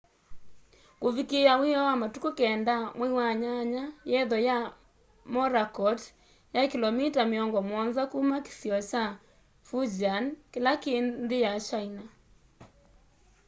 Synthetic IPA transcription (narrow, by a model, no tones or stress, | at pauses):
kovikeawejɔwamatukokɛndamwewaɲaɲajɛðɔja | mɔɾakɔt | jakilɔmitameɔŋɡɔmwɔnðakumake̥θjɔt͡ʃa | fud͡ʒankelakendejat͡ʃaina